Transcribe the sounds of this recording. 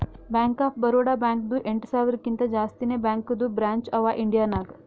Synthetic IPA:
bɛŋkaːpbəɾoɽabɛŋkd̪uʔeɳʈsaʋiɾkint̪ad͡ʒaːst̪inebɛŋkd̪uːbɾaɲt͡ʃɐʋaʔiɳɖijanaɡ

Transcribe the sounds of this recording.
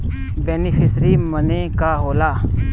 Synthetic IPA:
beːnifʰɪsɾiːməneːkaːɦoːlaː

